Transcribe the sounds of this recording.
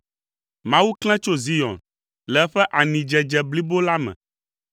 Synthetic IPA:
mã˦wu˦klɛ̃˦t͡ʃo˦zi˦jɔ̰˨n | lɛ˨˦ɸɛ˦ʔa˨nĩ˨d͡ʒɛ˨d͡ʒɛ˨bli˦bo˦la˦mɛ̰̃˨

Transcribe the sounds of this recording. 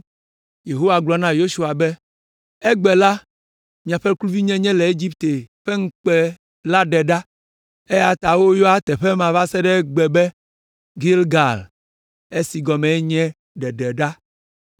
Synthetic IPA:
je˨ɦo˦wa˨ɡ͡blɔ˨nã˦jo˦ʃu˦a˨bɛ˦ | e˦ɡ͡bɛ˨la˦ | mĩ˨ã˨ɸɛ˦klu˦vi˦ɲɛ̃˦ɲɛ̃˦le˨e˦d͡ʑi˦pt̪e˨ɸe˦ŋ̩˦k͡pɛ˦ | la˦ɖɛ˨ɖa˦ | e˦ja˨t̪a˨wo˦jɔ˦a˦t̪ɛ˨ɸɛ˦mã˨va˦sɛ˦ɖɛ˦ɡ͡bɛ˨bɛ˦ | ɡi˦lɡa˨l | e˦si˨ɡɔ˨mɛ̃˨e˦ɲɛ̃˦ | ɖɛ˨ɖɛ˨ɖa˦

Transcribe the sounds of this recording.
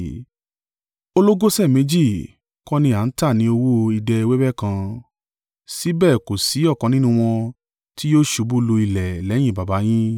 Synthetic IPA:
o˧lo˦ɡo˦sɛ˦˨mẽ˨˧d͡ʒi˦˨ | kɔ˦nĩ˧˦a˨n̩˦ta˦˨nĩ˧˦o˧wo˦˧i˧dɛ˧i˧we˦bɛ˦˨kã˧ | si˨˦bɛ˦˨ko˨si˨˦ɔ˦˨kɔ̃˨˧nĩ˦nũ˦w̃ɔ̃˧ | ti˦joː˦ʃu˨˧bu˦lu˧i˧lɛ˨lɛ˨˦j̃ĩ˦˨ba˨ba˨˦j̃ĩ˦

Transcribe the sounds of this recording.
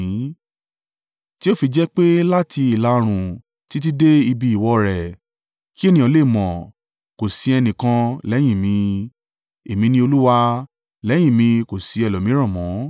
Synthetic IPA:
ti˦o˦˨fi˧d͡ʒɛ˦k͡pe˦la˦tʰi˧i˨la˧˦o˧ɾ̃ũ˨ | ti˨˦t̬i˦de˦i˧bi˧i˨wɔ˧ɾɛ˨ | ki˦e˦nĩ˨ɔ̃˨˧˦le˦˨mɔ̃˨ | ko˨si˧ɛ˧nĩ˨kã˧lɛ˨˦j̃ĩ˦˨mĩ˧ | e˨mĩ˧nĩ˧o˧lu˦wa˧ | lɛ˨˦j̃ĩ˦˨mĩ˧ko˨si˨˧ɛ˨lɔ˨mĩ˨˦ɾ̃ã˦˨mɔ̃˨˦

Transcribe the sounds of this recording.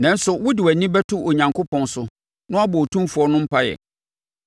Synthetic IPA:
nã˨n˦sʊ˨wʊ˦dɪ˨wæ˨nĩ˦bɛ˦tʰʊ˦ʔo˨ɲã˨ŋkʰo˦pʰɔ̃˨n˦sʊ˨ | nʊ̃˦a˦bɔ˨o˨tʰũ˦mfu˨ɔ˦nʊ̃˦m̩˦pʰa˦jɛ̰˨

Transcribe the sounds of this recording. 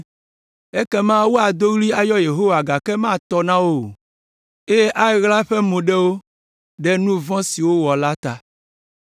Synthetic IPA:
e˦kɛ˦mã˦wo˦a˨d̪o˦ɣli˦a˨jɔ˦je˨ɦo˦wa˨ɡa˨kɛ˦mã˦˨t̪ɔ˦nã˦wo˦˨ | e˦je˦ʔa˦ɛ˨˦ɣla˦ɸɛ˦mõ˨ɖɛ˦wo˦ | ɖɛ˦nũ˦vɔ̃˦si˨wo˦wɔ˨la˦t̪a˨

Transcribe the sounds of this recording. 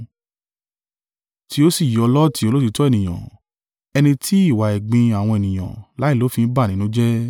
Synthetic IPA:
ti˧˦o˦si˦˨ji˨ɔ˧lɔ˦ti˧˦o˧lo˦ti˧tɔ˦ɛ˦˨nĩ˨j̃ã̰˨ | ɛ˧nĩ˧tʰi˦i˦˨wa˨ɛ˨ɡ͡bĩ˧a˨w̃ɔ̃˧ɛ˨nĩ˨j̃ã̰˨la˨˦i˦˨lo˨˦fĩ˧n̩˦ba˦˨nĩ˨˦nũ˦d͡ʒɛ˦

